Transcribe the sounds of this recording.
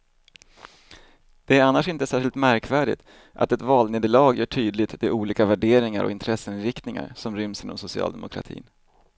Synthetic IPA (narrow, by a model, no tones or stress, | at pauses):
d̪̥ɛæɾanːaʂɪnt̪əsæːʂɪlt̪mæɾkvæːɖɪ̰t̪ | ʔa̰t̪ɛt̪vɑːlneːd̪əɭɑːɡjœːʈʰyːd̪lɪt̪d̪ɛʔuːliːkavæɖeːɾɪŋa̰ɾʔɔ̰ɪnt̪ʰɾɛsːəɪnɾɪkt̪nɪŋa̰ɾsɔmɾʏmsiːnɔ̰msʊsɪɑ̰ːld̪ɛmʊkʰɾa̰t̪ʰḭːn